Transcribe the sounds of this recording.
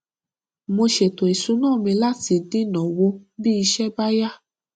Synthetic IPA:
mo˧ʃe˨to˨i˨sũ˨˦nãː˦˨mĩ˧la˦˨ti˧dĩ˦nɔ̃˨wo˧bi˦i˧ʃɛ˦ba˦ja˦

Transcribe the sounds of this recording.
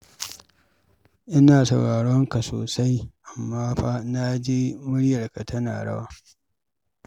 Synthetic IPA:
ʔɪ˦naː˨sɐ˨wɽaː˨ɽɔ˦ŋka˨so̰ː˨sa˦jʔa˨mːaː˦ɸaː˦na˦d͡ʒeː˦mʊ˦ɽjɐ˨rka˨tʰɐ˦na̰ː˨ɽɐ̰˦waː˦

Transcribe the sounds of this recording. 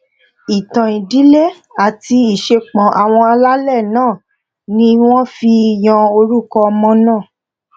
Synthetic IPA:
i˨tã˨i˨di˨˦le˦˨ | a˨ti˧i˦˨ʃe˧k͡pɔ̃˨ʔa˨w̃ɔ̃˧a˧la˦lɛ˦˨nãː˦˨ | nĩ˧˦w̃ɔ̃˦fi˧˨j̃ɔ̃˧o˧ɾu˦kɔ˧mɔ̃˧nãː˦˨

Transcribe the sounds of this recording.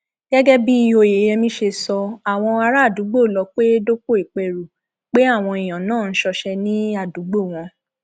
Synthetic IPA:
ɡ̥ɛ˦ɡɛ˦bi˦i˦˧jo˧˨je˨˦jɛ˧mĩ˦ʃe˧sɔ˧a˨w̃ɔ̃˧a˧ɾa˦˨du˨˦ɡ͡bo˦˨lɔ˧k͡pe˦do˦ko˦i˦˨k͡pe˨ɾu˨ | k͡pe˦a˦˨w̃ɔ̃˧i˨j̃ã˨nãː˦˨n̩˦ʃɔ˧ʃɛ˧nĩ˦a˦˨du˨˦ɡ͡bo˦˨w̃ɔ̃˧

